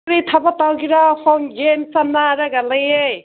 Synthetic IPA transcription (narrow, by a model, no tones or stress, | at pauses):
ɾit̪ʰabat̪awɡiɾahɔŋɡensannːaɾaɡalajej